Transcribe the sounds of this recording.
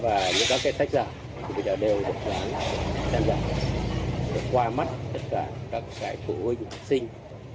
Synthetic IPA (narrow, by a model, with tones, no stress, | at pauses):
vaː˨˩ɲɨ̰˧˥ŋkaː˦˥kːaː˨˦jsʰa˦˥k̟̚zaː˧˩˨i˨˩ɓə˧˩jzəː˨˩ɗe˨˩wɗɨ˨˩ət̚laː˨˦nt͡ɕaː˧mza̰ː˧˩ | ɗe˨˧˩kwaː˧ma˦˥t̚t̪ə˦˥t̚kaː˧˩kaː˦˥kːaː˨˦jt̪ʰṵ˧˩hɨ˧əŋ˨˩ha˨˩k̚sï˧ŋ̟